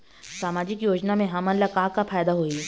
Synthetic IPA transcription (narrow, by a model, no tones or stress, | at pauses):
saːmaːd͡ʒɪkjoːd͡ʒnamẽɦaːmənlɐkaːkapʰaːjd̪aɦoːi